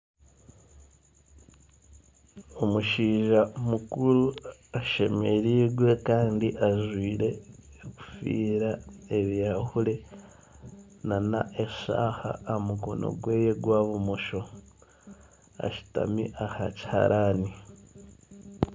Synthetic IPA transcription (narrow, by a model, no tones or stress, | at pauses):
omuʃiːʒamukuɾuaʃe̞me̞ɾiːɡwe̞kaːndiʔaʒwiːɾe̞ | ku̥fḭːɾaeβjahule̞ | nana̰ʔeʃa̰ːha̰ːmukono̰ɡwe̞ːjeɡwaːβumoʃo̞ | a̰ʃi̥ta̰mḭʔahaci̥ha̰ɾʔani